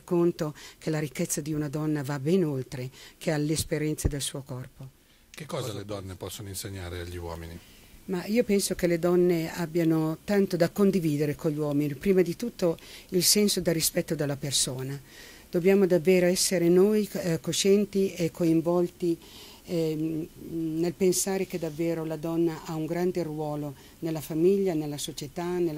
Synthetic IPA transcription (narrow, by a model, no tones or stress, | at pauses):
kːont̪ok̟elaɾikːet̪sːad̪iunad̪ɔnːavabɛnolt̪ɾekʰealːespeɾjɛnt̪sed̪elsuːokɔrpo | k̟ekːɔːzaled̪ɔnːepɔsːonoinseɲːa̰ːɾea̰ʎːiwɔ̰ːmḭni | maiopɛnsokeled̪ɔnːeabːjanot̪ant̪od̪akond̪iviːd̪eɾekoʎːwɔːminipɾiːmad̪it̪ut̪ːoilsɛnsod̪arːispɛt̪ːod̪elːapersoːna | d̪̥objaːmod̪avːeːɾoɛsːeɾenojkoʃɛnt̪iekʰːoiɱvɔlt̪i | nelpensaːɾek̟ed̪avːeːɾolad̪ɔnːaʔauŋɡɾand̪erwɔːlo | nelːafamiʎːanelːasot͡ʃet̪anel